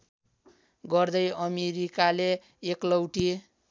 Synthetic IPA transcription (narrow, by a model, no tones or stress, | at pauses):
ɡʌrd̪ʌjʌmeɾikaleː | klʌwʈi